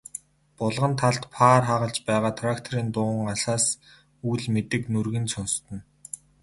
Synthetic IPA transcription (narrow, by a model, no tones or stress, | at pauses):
pʊɮʁə̆nt̪ʰaɮt̪pʰaːrχaʁə̆ɮt͡ɕpæːʁaːt̪ʰrakt̪ʰɔɾiːnt̪ʊ̆ːŋasaːs | ujɮmet̪ɘ̆knurɣɘ̆nsʊnst̪ə̆n